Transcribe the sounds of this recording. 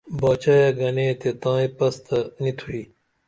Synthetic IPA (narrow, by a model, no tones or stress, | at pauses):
baːt͡ɕaːjaɡɐnẽːt̪et̪ãːĩpɐst̪ɐnit̪ʰuiː